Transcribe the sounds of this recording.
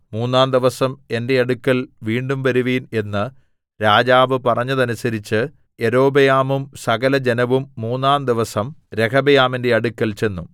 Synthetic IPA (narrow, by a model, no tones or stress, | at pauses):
muːnːaːnd̪iʋɐsɐme̞nde̞ɐɽukːɐlʋiːɳɖumʋɐɾuʋiːne̞nːɨ | ɾaːd͡ʑaːʋɨpɐrɐɲːɐðɐnusɐɾit͡ɕːɨ | e̞ɾo̞ːbɐjaːmumsɐɡɐlɐd͡ʑenɐʋumːuːnːaːnd̪iʋɐsɐmɾe̞kʰɐbɐjaːminde̞ɐɽukːɐlt͡ɕe̞nːum